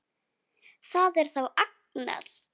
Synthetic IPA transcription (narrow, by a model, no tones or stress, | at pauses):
θaðɛɾ̥θawak̚ | na̰l̥